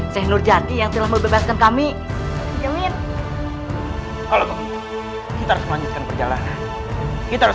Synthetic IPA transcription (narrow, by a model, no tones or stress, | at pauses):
sɛhnʊrd͡ʒad̪ijaŋt̪əlahməbebaskankami | d͡ʒəwɪn | kalot̪ɔ | kit̪aɾusməlaɲd͡ʒut̪̚kanpərd͡ʒalanan | kit̪aɾus